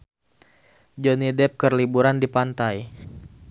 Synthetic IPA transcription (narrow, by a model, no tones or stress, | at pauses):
d͡ʒonidɛp̚kərlibuɾandipant̪aj